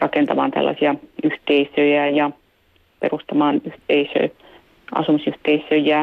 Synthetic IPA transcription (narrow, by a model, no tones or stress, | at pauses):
rɑkent̪ɑmɑːnt̪æ̰lːɑ̰siɑyht̪eisøjæjɑ | pḛrust̪ɑmɑːnyht̪eisø̰ː | ɑ̰sumisyht̪eisˑøijæ